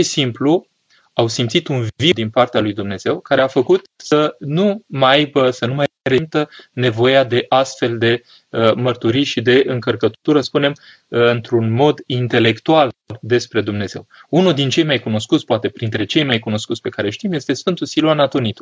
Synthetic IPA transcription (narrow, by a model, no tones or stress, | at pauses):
ʃisimplu | awsimpt̪sit̪unvvid̪inpart̪ealujd̪umne̞z̥e̞wkaɾe̞afəkut̪sənumajbəsənumajɾemt̪əne̞vo̞jad̪e̞ʔast̪fe̞ld̪e̞ | əmərt̪uɾijʃid̪e̞ɨŋkərkət̪t̪uɾəspune̞m | ɨnt̪ɾunmo̞d̪int̪e̞le̞kt̪uald̪e̞spɾe̞d̪umne̞z̥e̞̰wunud̪int͡ʃe̞jmajkuno̞skut̪sʲpoat̪e̞pɾint̪ɾe̞t͡ʃe̞jmajkuno̞skut̪sʲpe̞kaɾe̞ʃt̪imje̞st̪e̞sfɨnt̪usiloanat̪onit̪u